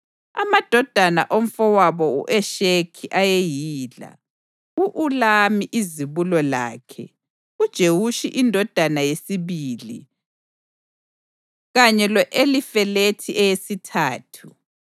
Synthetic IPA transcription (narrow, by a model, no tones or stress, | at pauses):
a̰mad̥ʱɔd̥ʱana̰ʔom̩fɔwaβɔṵʔɛʃekʰiʔajejiːla̰ | uʔulamiʔiziβulɔla̰ːkʰɛ | ud̥ʒ̥ʱewuʃiʔindʱɔd̥ʱanajesiβiːlḭ | ɣaɲɛlɔʔelifɛletʰiʔɛjesitʰaːtʰu